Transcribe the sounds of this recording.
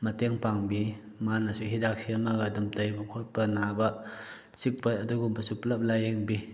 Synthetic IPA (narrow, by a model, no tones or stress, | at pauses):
mɐteŋpaŋbi | manasuɦidak̚siamaɡadumtajbɐkʰot̚pɐnabɐ | sik̚pɐtɐduɡumbɐsuplɐp̚lajeŋbi